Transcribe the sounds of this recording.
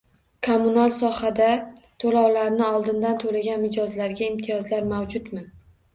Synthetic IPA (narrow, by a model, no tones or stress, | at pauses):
kʰomʊnalsɒhad̪a | t̪ʰolawlaɾnɪɒlˠd̪ɪnd̪ant̪ʰolaɡʲanmɪd͡ʒɒzlaɾɡʲaɪmt̪ʰijɒzlaɾmawd͡ʒʊt̪mɪ